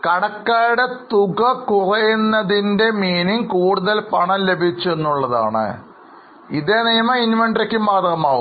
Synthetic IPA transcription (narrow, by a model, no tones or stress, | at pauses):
kɐɽɐkːaːɾɽe̞t̪uɡɐkurɐjunːɐðinde̞miːniŋkuːɽuðɐlpɐɳɐmle̞bʱit͡ɕːue̞nːuɭːɐða̰ːɳɨ̰ | iðeːnijɐmɐinʋɐɳɖrekʲːumːaːd̪ɐɣɐmaːʋum